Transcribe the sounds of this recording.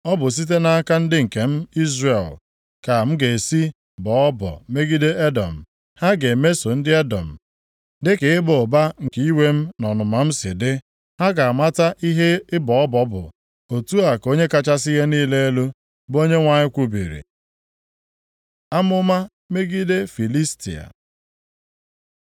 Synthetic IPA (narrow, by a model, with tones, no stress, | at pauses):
ɔ˦bʊ˨s̬i˦t̬e˦na˦a˦ka˦n̩˦dɪ˦ŋ̩˨ke˨m̩˦i˦zre˨l | ka˨m̩˦ɡe˨si˦ | bɔ˨ɔ˦bɔ̰˨me˦ɡi˦de˦e˦dɔ̰˨m̩˨ | ha˦ɡe˨me˦so˨n̩˦dɪ˦e˦dɔ̰˨m̩˨ | dɪ˦ke˨ɪ˦bo˨ba˦ŋ̩˨ki˦i˦we˦m̩˦nɔ˨nʊ˨ma˨m̩˦sɪ̰˨dɪ˦ | ha˦ɡa˨a˨ma˦ta˦ʔi˦ɦe˦ɪ˦bɔ˨ɔ˦bɔ˦bʊ̰˨ | o˨tu˦a˨ko˦ɲe˦ka˨t͡ʃa˦s̬i˦ɦe˦niː˦le˦e˦lu˦ | bo˦ɲe˦ŋʷa˨ɲɪ˦kʷu˦bḭ˨ɾḭ˨ | a˦mʊ˦ma˦ | me˦ɡi˦de˦fi˨li˦stḭ˨a̰˨